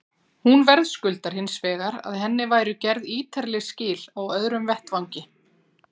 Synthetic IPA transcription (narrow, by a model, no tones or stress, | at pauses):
hunvɛɾðskʏlt̪aɾ̥hɪnsvɛːɣaɾa̰ðɦɛnːɪvaːjɾʏcɛɾðiːt̪ʰaɾlɪɣscɪːlawœðɾʏmvɛht̪vawɲcɪ